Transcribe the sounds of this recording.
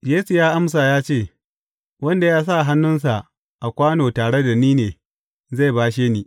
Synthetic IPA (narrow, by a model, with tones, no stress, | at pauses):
jeː˦su˨jaː˦ʔa˦ms̬a˨jaː˦t͡ʃeː˦˨ | wɐ˦nda˨jaː˦s̬a˦˨ɦa˦nːʊ˦ns̬a˨ʔ | ʔa˨kʷaː˦noː˨taː˨ɽe˦da˨niː˦neː˨ | za˦˨jbaː˦ʃ̬eː˦niː˦